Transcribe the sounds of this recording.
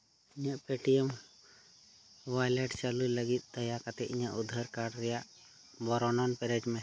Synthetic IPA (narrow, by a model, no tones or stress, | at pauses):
iɲaʔpeʈijɛm | wajlɛɖt͡ʃaluləɡit̪̚ˀd̪əjakat̪ɛiɲaʔud̪ʱːəɾkaɖɾɛjaʔ | bɔɾɔnɔnpɛɾɛd͡ʒmɛ